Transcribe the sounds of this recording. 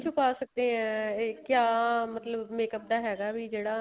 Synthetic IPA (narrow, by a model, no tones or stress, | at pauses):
t͡ʃʰʊpaːsək̚d̪ẽɦɛ̃ːkjaːmət̪ləbmeːkəp̚d̪aːɦɛːɡaːbʱiːd͡ʒeːɽaː